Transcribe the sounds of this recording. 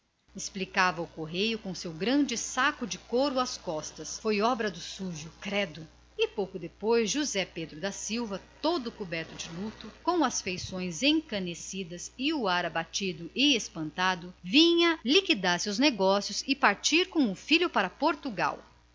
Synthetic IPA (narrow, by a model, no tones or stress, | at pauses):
esplikavɐʊkoɦejʊkõsewɡɾɐ̃d͡ʒɪsakʊd͡ʒɪkoɾʊɐskɔst̪ɐsfojɔbɾɐd̪ʊsuʒʊkɾɛd̪ʊ | ɪpowkʊd̪epojzʒuzɛped̪ɾʊd̪ɐsiwvɐt̪od̪ʊkubɛɾt̪ʊd͡ʒɪlut̪ʊkõw̃ɐsfejsõj̃zẽŋkɐ̃nesid̪ɐzɪʊaɾabat͡ʃid̪ʊʔɪespɐ̃nt̪ad̪ʊvĩɲɐlikid̪aɾsewzneɡɔsjʊzɪpaɾt͡ʃiɾkõw̃ʊfiʎʊpaɾɐpoɾt̪uɡa̰w